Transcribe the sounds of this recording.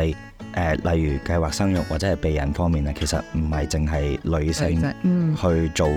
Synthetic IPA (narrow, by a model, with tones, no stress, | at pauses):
ɐ˨j | ʔɛː˨˧lʔɐ˨jːyː˨˩kɐ˧jwaː˨k̚sɐ˥ŋjʊ˨k̚waː˨t̚t͡sɛː˨˥hɐ˨jpe˨jːɐ˨˩nfɔː˥ŋmiː˨˩nɐː˥kʰe˨˩jsɐ̰˨t̚m̩˨˩hɐ˨jt͡sɪ˨ŋɦɐ˨jlɵ˨˧sɪ˧ŋhɵ˧ɥt͡ʃo˨